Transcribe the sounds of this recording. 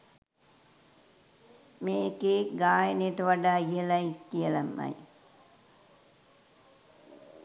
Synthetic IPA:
meːkeːɡaːjənejəʈəʋaɖaːijəlajikːijəlamːa̰j

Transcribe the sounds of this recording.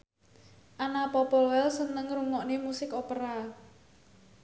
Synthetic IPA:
ʔanapɔpɔlwɛlsənəŋruŋɔʔnemusɪkopəɾa

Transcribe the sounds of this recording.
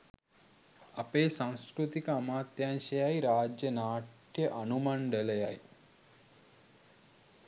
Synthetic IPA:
ɐpeːsãw̃skɾut̪ikaːmaːt̪jaːnʃɐjaːjɾaːd͡ʒjənaːʈʰ | jəʔɐnumɐɳɖəlɐjaj

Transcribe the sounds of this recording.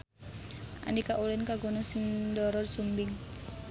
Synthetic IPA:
ʔa̰ndikaʔulɪnkaɡɔnɔsɪŋdɔɾɔrsumbɪŋ

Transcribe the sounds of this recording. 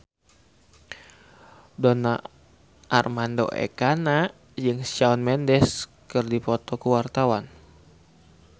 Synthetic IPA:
dona | ʔːrmando̰ʔɛ̰kana | jɨŋsaɔnmɛndɛskɨrdipɔt̪ɔkuwart̪awan

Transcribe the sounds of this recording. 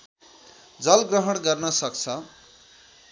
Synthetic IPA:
d͡zʌlɡrʌɦʌɽ̃ɡʌrnʌsʌk̚t͡sʰʌ

